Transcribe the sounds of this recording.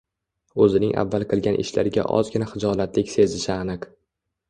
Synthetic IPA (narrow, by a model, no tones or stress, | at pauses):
ɵzɪnɪŋʔa̰vːalˠqʰɨlˠɡʲanʔɪ̰ʃla̰ɾɪɡʲa̰ʔɒ̰zɡʲɪnaχɨd͡ʒɒlat̪lɪkʲse̞zɪʃɪanɪq